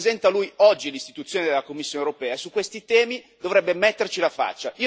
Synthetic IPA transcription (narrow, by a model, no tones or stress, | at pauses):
zɛnt̪alujɔd͡ʒːilist̪it̪ut̪sːjoːned̪elːakomːisːjoːnewɾopɛːaesukwest̪it̪ɛːmi | d̪ovɾɛbːemɛt̪ːert͡ʃilafa̰t͡ʃːaʔiːo